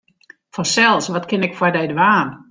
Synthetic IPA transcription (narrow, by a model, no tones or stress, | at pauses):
fɔnsɛlˠsʋɔtkʰɪnɪkfwɔdɛjdəʋaːn